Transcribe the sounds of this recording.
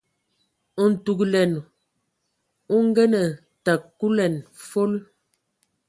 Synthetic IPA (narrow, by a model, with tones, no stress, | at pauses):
n̩˨tu˨klɛ˨n | u˦ŋ˦ɡɛ˦nə˨ | ta˨kːu˦lɛ˨nfo˦l